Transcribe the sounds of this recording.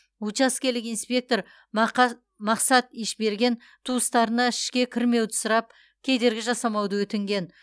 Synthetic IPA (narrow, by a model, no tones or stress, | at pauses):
ut͡ʃɑskʲe̞lɪkijnspʲe̞k̚t̪o̞ɾ | mɑqsɑt̪iʃbe̞ɾɡʲe̞n | t̪ʰuəst̪ɑɾənɑɪʃkʲe̞kʲʰɪɾme̞wd̪ɪsʊɾɑp̚ | kʲʰe̞d̪e̞ɾɡʲɪʒɑsɑmɑwd̪əwɵt̪ɪŋɡʲe̞n